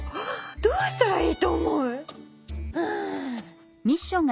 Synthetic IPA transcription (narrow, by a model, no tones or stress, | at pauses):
d̪̥oːɕt̪aɾaiːt̪oːmoɯ̟ | ɯ̃ | ɲʲiɕːõŋɡ